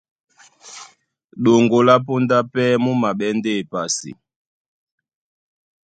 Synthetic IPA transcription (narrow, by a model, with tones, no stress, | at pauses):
ɗo˨ŋɡo˨la˦pu˦nda˦pɛ˦mu˦ma˨ɓɛ˦nde˦˨pa˨sḭ˨